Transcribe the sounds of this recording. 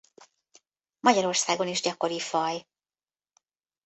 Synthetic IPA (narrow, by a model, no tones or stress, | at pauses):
mɒɟɒɾo̞rsaːɡo̞niʒɟɒko̞ɾifɒj